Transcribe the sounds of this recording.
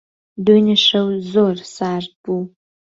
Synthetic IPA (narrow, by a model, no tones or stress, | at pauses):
dojnɨʂɐwzoːrsaːrbu